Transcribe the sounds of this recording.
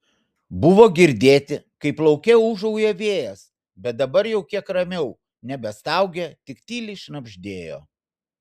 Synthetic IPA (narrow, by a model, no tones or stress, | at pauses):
bʊʋoːɡʲɪɾʲd̪ʲeːt̪ʲɪkɐɪplˠɐʊkʲɛʊʒɐʊjɛʋʲeːjɛs | bʲɛt̪̚d̪ɐbɐɾjɛʊkʲiɛkɾɐmʲɛʊ | nʲɛbʲɛst̪ɑˑʊɡʲɛt̪ʲɪkt̪ʲiːlʲɪʃnɐbʲʒʲd̪ʲeːjo̰ː